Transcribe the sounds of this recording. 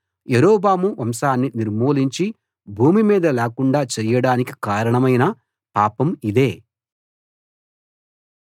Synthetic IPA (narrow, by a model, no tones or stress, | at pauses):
jeɾoːbaːmuʋɐmsaːnːiniɾmoːliɲt͡ʃi | bʱuːmimiːd̪ɐlɛːkuɳɖaːt͡ʃɛjɐɽaːniki̥kaːɾɐɳɐmɐjnɐ | paːpɐmid̪e̞ː